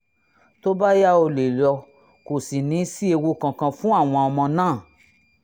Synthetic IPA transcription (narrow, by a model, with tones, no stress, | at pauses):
to˦ba˦ja˦o˧le˨lɔ˧ | ko˨si˨nĩ˨˦si˦e˧wo˧kã˨kã˧fũ˦a˦˨w̃ɔ̃˧ɔ˧mɔ̃˧nãː˦˨